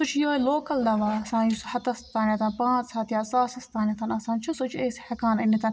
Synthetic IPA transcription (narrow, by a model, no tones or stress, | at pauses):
sut͡ʃʰjoːiloːkɐld̪ɐʋaːɐsãːnjushɐt̪ɐst̪aːnɐt̪ɐnpãːt͡sʰaːt̪jiɐsaːsɐst̪aːnɐt̪ɐnɐsãːnt͡ʃʰusut͡ʃʰeːshɐkaːnɐnit̪ɐn